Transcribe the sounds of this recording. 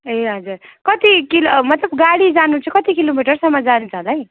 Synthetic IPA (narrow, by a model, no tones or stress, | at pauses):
eɦʌd͡zurkʌt̪ikilomʌt̪lʌbɡaɽid͡zanut͡sʰukʌt̪ikilomiʈʌrsʌmːʌd͡zant͡sʰʌɦlaj